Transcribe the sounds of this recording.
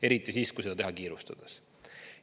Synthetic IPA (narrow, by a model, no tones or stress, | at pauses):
e̞ɾit̪ˑːisiːskujse̥ɑt̪ehɑkiːɾust̪ɑd̪̥ɑs